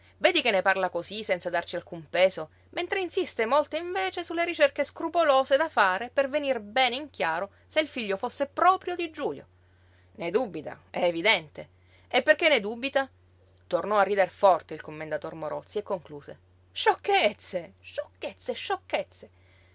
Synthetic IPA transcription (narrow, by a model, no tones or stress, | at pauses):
veːd̪ikenːeparlakozisɛnt̪sad̪art͡ʃialkumpeːso | ment̪ɾeinsist̪emolt̪eiɱveːt͡ʃesulːeɾit͡ʃerkeskɾupoloːzed̪afaːɾepervenirbɛːneiŋkjaːɾo | seilfiʎːofosːepɾɔːpɾjod̪id͡ʒuːʎjo̰ | ned̪ubit̪a̰ɛːvid̪ɛnt̪e | epːerkenːed̪uːbit̪a | t̪ornɔarːid̪erfɔrt̪eilkomːend̪at̪ormoɾɔt̪siekːoŋkluːze | ʃokːet̪seʃokːet̪sːeʃːokːet̪sːe